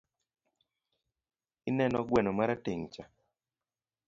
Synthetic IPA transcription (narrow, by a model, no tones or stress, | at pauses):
ɪnɛnɔɡwɛnɔmaɾateŋt͡ʃa